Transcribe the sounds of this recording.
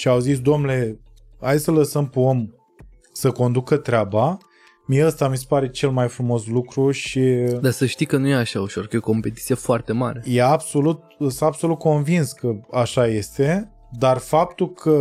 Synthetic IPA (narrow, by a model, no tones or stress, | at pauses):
ʃiawzisd̪omnle̞ | ajsələsəmpeo̞m | səko̞nd̪ukət̪ɾeaba | mijeəst̪amis̬epaɾe̞t͡ʃe̞lmajfɾumo̞slukɾuʃid̪asəʃt̪ijkənujeaʃauʃorkəjeoko̞mpe̞t̪it̪sijefoart̪e̞maɾe̞jeabso̞lut̪̚sɨabso̞lut̪̚ko̞nvinskəaʃaje̞st̪e̞ | d̪arfap̚t̪ulkʰə